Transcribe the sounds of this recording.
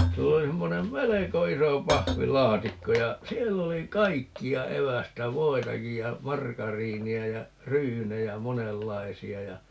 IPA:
silː oli semːonem meleko iso pɑhʋilɑːtikːo jɑ sielː oli kɑikːiɑ eʋæstæ ʋoitɑkij jɑ mɑrkɑriːniæ jɑ ryːnejæ monelːɑisiɑ jɑ

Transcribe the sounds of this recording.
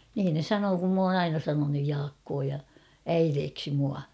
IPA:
niːn ne sɑnoː kum m oːn ɑinɑ sɑnonuj jɑːkːoː jɑ æireːksi muɑ

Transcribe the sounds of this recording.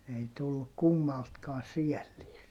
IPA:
ei tulːu kumːɑltkɑː siælːiːst

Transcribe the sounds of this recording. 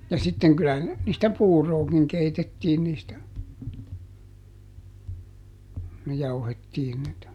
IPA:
jɑ sitːeŋ kylæhæn niːstæ puːroːkiŋ keitetːiːn niːstæ kuj jɑuhetːiːn niːtæ

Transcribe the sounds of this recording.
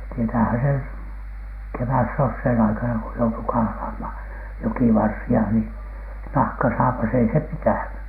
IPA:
tietæːhæn sen keʋæsːosheːn ɑikɑnɑ ko joutu kɑhlɑːmhɑn̥ jokiʋɑrsiɑ ni nɑhkɑsɑːpɑs ei se pitæˑny

